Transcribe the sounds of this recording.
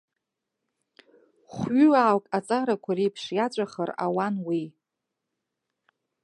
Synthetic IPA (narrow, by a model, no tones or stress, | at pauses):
χʷɥʏaːwkʼat͡sʼaɾakʷʰarijpʰʂjat͡ʃʷʼaχəra̰wanwi